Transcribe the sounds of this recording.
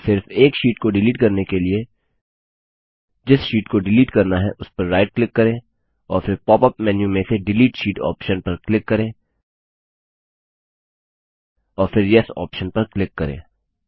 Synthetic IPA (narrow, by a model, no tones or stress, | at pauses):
sɪɾfeːkʃiːʈkoɖɪliːʈkɐɾnekelie | d͡ʒɪsʃiːʈkoɖɪliːʈkɐɾnaɦɛ̰ʔʊspɐɾːaːɪʈ̚klɪkːɐɾẽː | ɔːɾfɪɾpɔːpɐpmɛːnjũmẽseɖɪliːʈʃiːʈɔ̰ːpʃənpɐɾklɪkːɐɾẽː | ɔːɾfɪɾjɛsɔ̰ːpʃənpɐɾklɪkːɐɾḛ̃ː